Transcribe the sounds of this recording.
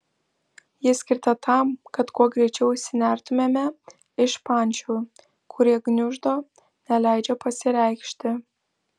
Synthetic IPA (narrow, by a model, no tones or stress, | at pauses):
jɪsʲkʲɪɾt̪ɐt̪ʰɑmkɐt̪kuɔɡɾʲɛɪt͡ʃʲɛʊsʲɪnʲæɾt̪ʊmʲeːmʲɛ | ɪʃpɑnʲt͡ʃʲuː | kʰʊɾʲiɛɡnʲʊʒd̪o | nʲɛlʲæˑɪd͡ʒʲɛpɐsʲɪɾʲæɪkʃʲt̪ʲɪ